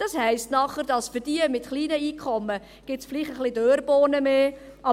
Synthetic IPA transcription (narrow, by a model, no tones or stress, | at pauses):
d̥ɑshɛɪstnɑχəɾdɑsfʏdiəmɪtχliːnəiːkʰχɔmːə | ɡ̥ɪtsfliːχtəχlɪdøːɾb̥oːnəmeː | ʔɑ